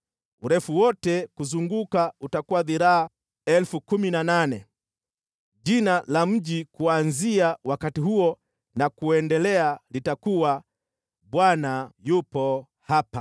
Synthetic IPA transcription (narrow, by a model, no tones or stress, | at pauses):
uɾɛfuwɔtɛkuzuŋɡukautakuwaðiɾaa | ɛlfukuminananɛ | ʄinalam̩ʄikuanziawakatiɦuɔ | nakuɛndɛlɛalitakuwa | ɓwanajupɔ | hapa